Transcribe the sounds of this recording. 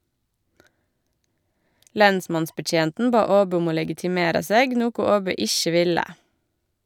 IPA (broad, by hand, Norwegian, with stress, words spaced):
ˈlɛnsmɑnsbəˌc͡çeːntn̩ ˈbɑː ˈoːbœ ˈɔm ˈoː lɛɡɪtɪˈmeːɾɑ ˈseːɡ ˈnuːkʊ ˈoːbœ ˈɪçə ˈʋɪlə